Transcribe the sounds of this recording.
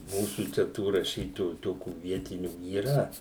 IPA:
ˈmuːsuː t͡ʃʲɛ ˈtuː rɐˈʃʲiːtoːjuː ˈtoːkʲuː ˈʋʲiɛtʲɪnʲuː iːˈrɐ

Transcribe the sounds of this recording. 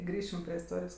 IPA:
ˈɡrʲiːʃʲɪm pʲrʲiɛ ɪsˈtoːrʲɪjoːs

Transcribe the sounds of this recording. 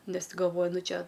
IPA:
ˈnʲɛs ˈtʲɪ ɡɐlˠˈʋoːjʊ ˈnʊ ˈt͡ʃʲɛ

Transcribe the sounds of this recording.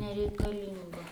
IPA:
nʲɛrʲɛɪkɐˈlʲɪŋɡoː

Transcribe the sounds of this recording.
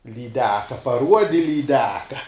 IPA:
lʲiːˈdʲæːkɐ pɐˈruɔdʲɪ lʲiːˈdʲæːkɐ

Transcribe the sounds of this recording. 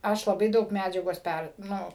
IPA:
ˈɐʃ lˠɐˈbɐɪ ˈdɐʊk ˈmʲæd͡ʒʲɛɡoːs ˈpʲɛr ˈnʊ

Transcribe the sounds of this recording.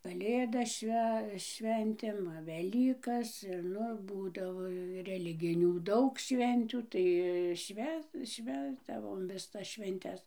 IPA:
kɐˈlʲeːdɐs ˈʃʲʋʲɛ ˈʃʲʋʲɛnʲtʲeːm ˈʋɐ ʋʲɛˈlʲiːkɐs ɪr ˈnʊ ˈbuːdɐʋoː rʲɛˈlʲɪɡʲɪnʲuː ˈdɐʊk ˈʃʲʋʲɛnʲtʲuː ˈtɐɪ ˈʃʲʋʲæː ˈʃʲʋʲæːzdɐʋoːm ʋʲɪˈsɐs ʃʲʋʲɛnʲˈtʲɛs

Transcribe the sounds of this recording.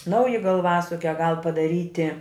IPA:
ˈnɐʊjɪ ɡɐlˠˈʋɑːsʊkʲɛ ɡɐlˠ pɐdɐˈrʲiːtʲɪ

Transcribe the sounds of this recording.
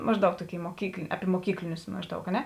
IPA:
ˈmɑːʒˌdɐʊk ˈtoːˌkʲeːɪ moːˈkʲiːklˠ ˈɑːpʲɪ moːˈkʲiːklʲɪnʲʊs ˈmɑːʒˌdɐʊk ɐ ˈnʲɛ

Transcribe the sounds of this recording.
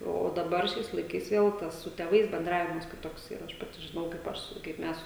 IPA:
oː oː dɐˈbɐr ˈʃʲɛɪs lˠɐɪˈkɐɪs ˈʋʲeːlˠ tɐs sʊ tʲeːˈʋɐɪs bʲɛnˈdrɑːʋʲɪmɐs kʲɪˈtoːksʲˈiːrɐ ˈɐʃ ˈpɑːtʲɪ ʒʲɪˈnɐʊ kɐɪp ˈɐʃ sʊ kɐɪp ˈmʲɛs

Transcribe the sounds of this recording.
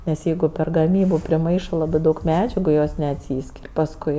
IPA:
nʲɛs ˈjɛɪɡʊ pʲɛr ɡɐˈmʲiːbʊ pʲrʲɪˈmɐɪʃɜ ˈlˠɑːbɜ ˈdɐʊk ˈmʲæːd͡ʒʲɛɡʊ joːs nʲɛɐtʲˈsʲiːsʲkʲɪrʲ pɐsˈkʊɪ

